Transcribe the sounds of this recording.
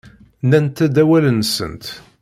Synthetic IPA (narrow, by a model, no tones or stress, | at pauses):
nænt̪ːæd̪æwælənsə̰nt̪